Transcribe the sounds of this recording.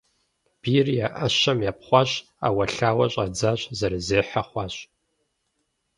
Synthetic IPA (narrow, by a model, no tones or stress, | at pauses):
b̥iːrjaʔɐɕɐmjaːpχʷɑɕ | a̰ːwɐɬaːwɐɕʼɐd͡zaːɕzɐrɨzeːħaχʷɑːɕʼ